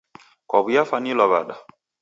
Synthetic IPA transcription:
kɔβujafanilɔβa̰ɗa

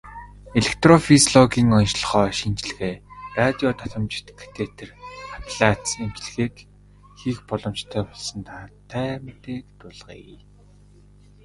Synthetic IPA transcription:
eɮek̚ʰt̪rɔfisɮɔɡiːŋɔnʃɮ̆χɔːʃint͡ɕɮɘ̆ɣeːrat̪ʲiɔt̪ʰɔ̥t̪ɞ̆mt͡ɕɪ̥̆t̪kʰːḁt̪ʰet̪ʰĕrḁp̪iɮat̪snemt͡ɕɮ̆xeːk | xixpɔɮɞ̆mt͡ɕt̪ʰæːpɔɮsɞ̆nt̪ʰat̪ʰːæːmt̪eːkt̪ʊɮʁ̥ḭ

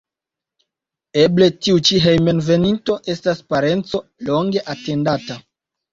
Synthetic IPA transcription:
e̞ble̞tiut͡ʃiɦejmenve̞ninto̞ʔe̞staspaɾe̞nt͡so̞lo̞ŋɡe̞ʔate̞ndata

